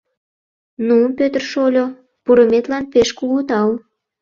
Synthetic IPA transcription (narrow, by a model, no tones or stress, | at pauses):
nunpøt̪ə̆rʃolʲo | puɾə̆met̪lɑnpeʃkuɣut̪ɑl